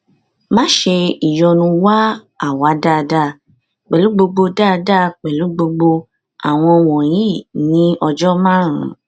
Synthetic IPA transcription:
mã˦ʃe˧i˨jɔ˧nũ˧wa˦ | a˦˨wa˨˦da˦˨da˦˨ | k͡pɛ˨lu˨˦ɡ͡bo˧ɡ͡bo˧da˦˧da˦˨k͡pɛ˨lu˨˦ɡ͡bo˧ɡ͡bo˧ | a˨w̃ɔ̃˧w̃ɔ̃˨j̃ĩ˦˨nĩ˨˦ɔ˧d͡ʒɔ˦mã˦ɾ̃ũ˨˦

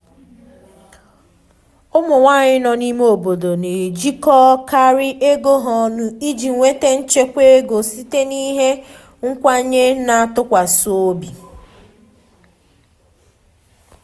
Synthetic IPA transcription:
ʊ˦mʊ˨ŋʷa˦ɲɪ˦nɔ˨ni˦me˦o˨bo˨do˨ne˨d͡ʒi˦kɔ˦ka˦ɾɪ˦ʔe˦ɡo˦ɦɔ˨nʊ˨i˦d͡ʒi˨ŋʷe˦te˦n̩˦t͡ʃe˦kʷe˦ɡo˨si˦te˦ni˦ɦe˦ | ŋ̩˦kʷa˦ɲe˦na˨tʊ˦kʷa˨so˨˦o˦bi˨

